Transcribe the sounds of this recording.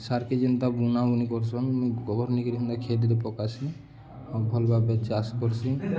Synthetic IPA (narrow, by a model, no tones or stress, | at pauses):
saɾked͡ʒənt̪abunaunikɔɾsɔnɡɔbɔɾnikɾikʰund̪akʰed̪ɾepɔkasi | ɔbʱɔlbabet͡ʃaskɔɾsi